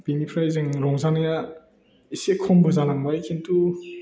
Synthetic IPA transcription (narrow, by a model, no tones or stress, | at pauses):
b̥inipʰɾajzɯŋɾɔŋzanaja | isekʰɔmbɔzanaŋbajkʰintu